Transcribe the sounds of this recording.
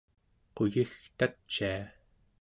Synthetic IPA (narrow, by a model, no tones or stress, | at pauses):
qojixt̪at͡ʃːia